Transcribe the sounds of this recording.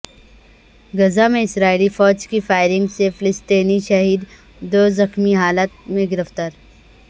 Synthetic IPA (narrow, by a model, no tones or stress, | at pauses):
ɡɐzamẽɪsɾaːilifɔːd͡ʒkifaːɪɾɪ̃ŋɡsefɪlɪst̪eːniʃɐɦiːd̪ | d̪oːzɐxmiɦaːlət̪̚mẽɡɪɾəft̪aːɾ